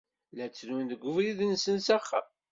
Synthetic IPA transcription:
læt͡sːnunðəɡʷːʊvɾiðənsənsæχːa̰

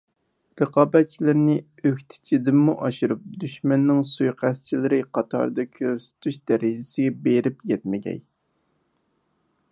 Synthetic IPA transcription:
ɾəqɑːbɛt̪̚t͡ʃʰilɪɾnɪ | økʲt̪ʰɪ̥d͡ʒid̪ɪmːuʔɑʃɨɾup̚d̪yʃmɛnːɪŋsujqʰæst͡ʃʰilɪɾɪqʰɑt̪ʰɑ̰ɾd̪ɑkʲʰøɾsɪ̥t̪ʰyʃd̪ɛɾɪd͡ʒɪsɪɡʲɛbeɾɪpjɛt̪mɪɡʲɛ̰j

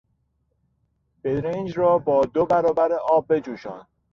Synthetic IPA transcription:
b̥edɾend͡ʒrɒːbɒːd̪obæɾɒːbæɾeʔɒːb̚ːe̞d͡ʒuːʃɒ̰ːn̥

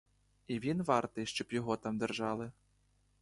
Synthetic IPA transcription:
ivʲinvart̪ɨʂt͡ʃɔpjaɣɔt̪amd̪ɨrʐalˠɨ

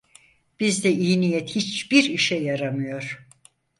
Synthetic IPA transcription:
b̥izd̪ɛʔiːnijɛt̪hit͡ʃb̥iɾiʃɛjaɾamɯjo̞ɾ̥

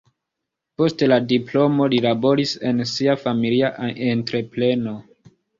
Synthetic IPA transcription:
po̞steladiplo̞mo̞lilabo̞ɾise̞nsiafamiliaʔentɾe̞ple̞no̞

